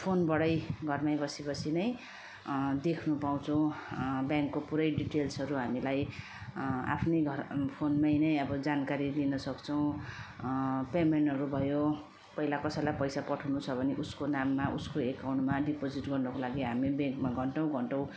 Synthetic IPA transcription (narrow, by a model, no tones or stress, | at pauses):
pʰonbʌɽʌjɡʱʌrmajbʌsibʌsʰinʌj | d̪ekʰnupaw̃t͡sʰʌw̃bjaŋkːopuɾʌjɖiʈelsɦʌɾuɦamilaj | a̰pʰnʌjɡʱʌpʰonmajnʌjʌbʌd͡zankaɾilinʌsʌkt͡sʰʌw̃ | pemeɳʈɦʌɾubʱʌjo | pʌɦilakʌsʌjlajpʌjsapʌʈʰawnut͡sʰʌbʱʌneʔuskonamːaʔuskoekawɳʈmaɖipod͡ziʈɡʌrnʌkolaɡiɦamibjãŋkmaɡʱʌɳʈʌw̃ɡʱʌɳʈʌw̃